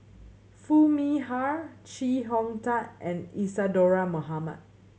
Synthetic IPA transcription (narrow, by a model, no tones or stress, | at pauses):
fumihaɹt͡ʃiɦɔ̃ŋtaʔʔɛ̃nisadɔɹamoɦama̰t̚